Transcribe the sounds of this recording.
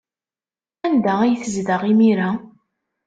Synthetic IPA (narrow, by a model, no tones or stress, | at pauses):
ænd̪ææjθəzðəʁimiɾa